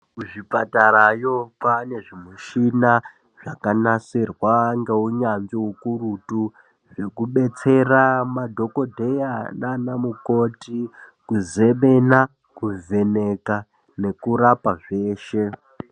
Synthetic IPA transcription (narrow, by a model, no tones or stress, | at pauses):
kuʐipatarajo̞kwane̞ʐimuʃina | ʐ̥akanasirwaŋɡe̞uɲanziukurutu | ʐe̞kuɓe̞t͡se̞ramadʱo̞ko̞dʱe̞jananamuko̞tikuze̞ɓena | kuve̞ne̞ka | ne̞kuɾapaʐe̞ːʃe̞